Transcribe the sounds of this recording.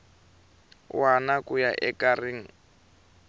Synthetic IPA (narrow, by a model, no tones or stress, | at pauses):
wanakʊjaʔɛkarɪŋ̩